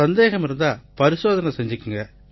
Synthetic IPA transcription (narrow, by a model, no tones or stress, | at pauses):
ɐnd̪eːɣɐmɪɾɯnd̪aːpɐɾɪsoːðɐnɐsɛɲd͡ʒɯkːɯŋɡɐ